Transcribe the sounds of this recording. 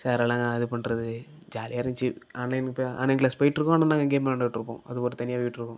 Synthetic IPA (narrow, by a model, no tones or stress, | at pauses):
saːɾɛlãːŋɡaɐðɯpɐɳɾɐðɯ | d͡ʒaːlɪjaːɾɐɲt͡ʃːɯaːnlɐɪnpːa̰ːnlɐɪnklaːspoːjɪʈːɪɾɯkːʊ̃ɐnaːnaːŋɡɐɡeːmːɳɖɐːɪʈːɪɾɯpːõ̰ːɐðɯpoːɾɯt̪ɐnɪjaːpoːjɪʈːɪɾɯkːʊ̃